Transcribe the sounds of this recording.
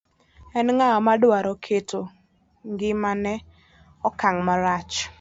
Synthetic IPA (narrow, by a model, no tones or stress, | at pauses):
ɛnŋaɔmadwaɾɔkʰetʰo | ŋɡɪmanɛ | ɔkaŋmaɾat͡ʃ